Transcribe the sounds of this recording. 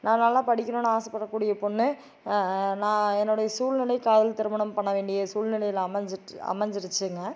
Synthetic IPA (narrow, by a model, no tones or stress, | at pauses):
nãːnɐlːãːpɐɽɪkʲːɐnoːnːaːsɐpːɐɽɐkːuːɽɪjɐpɔnːɯ | nãːɛnːʊɽɐjɐsuːlnɪlɐɪkaːðɐlt̪ɪɾɯmɐnɐmpɐɳːɐʋeːɳɖɪjɐsuːlnɪlɐjɪlɐmɐɲd͡ʒɐ̰mɐɲd͡ʒɪɾɯt͡ʃːɯŋɡɐ